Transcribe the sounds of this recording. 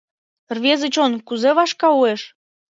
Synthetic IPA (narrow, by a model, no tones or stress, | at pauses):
rβʲezət͡ɕonkuzeβɑʃkɑueʃ